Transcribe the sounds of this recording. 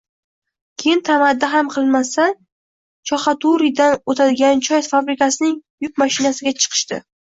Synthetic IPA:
kʲʰejɪnt̪ʰamad̪ːaɦamqʰɨlˠmasa | t͡ʃʰɒχɑt̪ʰuɾid̪anot̪ʰad̪ɪɡʲant͡ʃʰɒjt̪fabɾɪkasɪnɪŋjʊk̚maʃɪnasɪɡʲat͡ʃʰɨ̥qʰɨ̥ʃt̪ɪ̰

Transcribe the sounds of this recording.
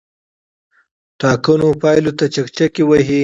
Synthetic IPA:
ʈɑkənopɑjlot̪at͡ʃakt͡ʃakewaɦi

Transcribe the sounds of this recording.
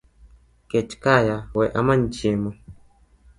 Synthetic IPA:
kɛt͡ʃkajawɛʔamand͡ʒiemɔ

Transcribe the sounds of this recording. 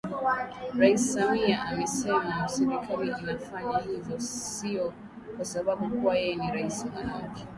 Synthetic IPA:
ɾaisisamiaʔamɛsɛmausɛɾikʰaɾiʔinafaɲahizɔsiɔ | kwasaɓaɓukuwajɛjɛniɾaisima̰naki̥

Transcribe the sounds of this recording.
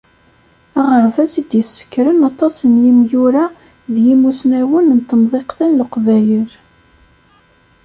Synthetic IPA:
æʁəɾvæsid̪jəsːə̥kːɾənɑt̪ˤɑsˤənjimjuɾa | ðjimusnæwənnt̪ːəmðˤeqθænləqvæjəl

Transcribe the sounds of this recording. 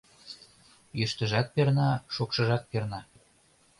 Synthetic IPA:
jøʃt̪ə̆ʒɑk̪̚pernɑʃokʃɤ̆ʒɑk̚pernɑ

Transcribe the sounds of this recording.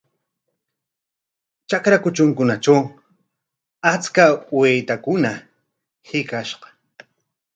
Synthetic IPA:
t͡ʃakɾakʊt͡ʃʊŋkʊnat͡ʃaw | at͡skawejt̪akʊna | hɪkaʃɢɑ̥

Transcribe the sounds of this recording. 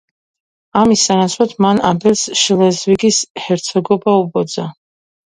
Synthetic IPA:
amisːanasʰwat̪ʰmanad̪ɛlˠsʃlɛzviɡishɛɾt̪sʰɔɡɔbaubɔd̪za

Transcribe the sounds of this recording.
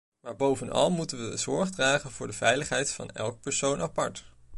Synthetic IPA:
maːɹbowvənɑ̰lˠmutənʋəzʊɹχdraːχənvʊːɹdəvɛjləχɦɛjtfɑ̰nɛ̰lˠk̚pəɹsownɑpɑɹt

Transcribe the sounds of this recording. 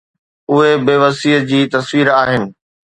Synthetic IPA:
ʊɦebeːʋɐsiɦəd͡ʑiːt̪ɐsʋiːɾaːɦɪnɪ̆

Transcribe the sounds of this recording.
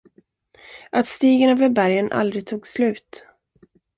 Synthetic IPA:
ʔat̪st̪iːɡənøːvəɾbæɾjənʔa̰ld̪ɾɪɡ̚t̪ʰuːɡslʉ̟ːt̪

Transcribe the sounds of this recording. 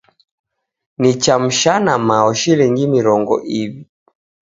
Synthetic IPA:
nit͡ʃam̩ʃanamaɔʃilɛŋɡimiɾɔŋɡɔ̰ʔivi

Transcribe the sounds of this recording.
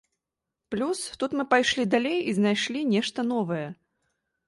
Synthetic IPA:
plʲust̪ut̪mɨpajʂlʲid̪alʲejiznajʂlʲinʲɛʂt̪ɐn̪ɔvɐjɛ

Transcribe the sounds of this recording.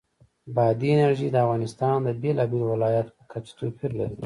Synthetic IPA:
bɑd̪ienaɾʒid̪əafɣɑnɪst̪ɑnd̪əbelɑbelwɪlɑjat̪pəkʰat͡ʃt̪opʰiɾlaɾi

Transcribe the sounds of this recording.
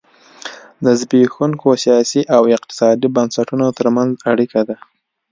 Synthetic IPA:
d̪əzbexuŋkosijɑsiʔawɪq̚t̪ɪ̥sɑd̪ibənsaʈunot̪əɾmanzaɽikad̪a

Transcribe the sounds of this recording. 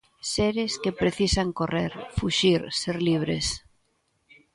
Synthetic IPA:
seɾeskepɾeθisaŋkoreɾfuʃiɾseɾliβ̞ɾḛs

